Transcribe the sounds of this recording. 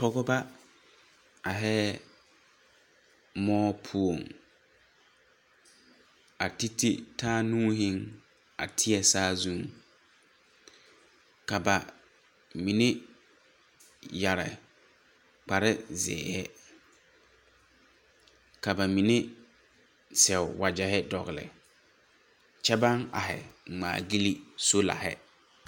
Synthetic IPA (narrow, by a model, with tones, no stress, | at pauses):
tɔ˦ɡɔ˦ba˦ | a˨ɦɛː˦ | mɔː˦pʰu˦o˨ŋ | a˨ti˦ti˦tʰaː˦nũː˦ɦɪ˦ŋ | a̰˨tʰɪ˦ɛ˦˨saː˦zũ˦ŋ | ka˨ba˨ | mi˨nɪ˦ | ja˨ɾɪ̰˨ | k͡pa˨ɾɪ˦zɪ̰ː˨hɛ˦ | ka˨ba˨mi˨ne˦ | sɛ˨ʊ˨wa˨d͡ʒɛ˨hɪ˦dɔ˨ɣlɪ̰˨ | t͡ʃɛ˦ba˦ŋa̰˨ɦɪ̰˨ŋ͡ma̰ː˨ɡi˦li˦so˦la̰˨ɦɪ̰˦